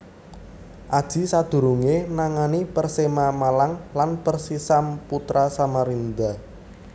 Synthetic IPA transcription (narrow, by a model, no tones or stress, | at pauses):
ʔad̥ʒ̥i̤sad̪̥ṳɾuŋenaŋanipərsemamalaŋlanpərsisamput̪ɾasamaɾind̪a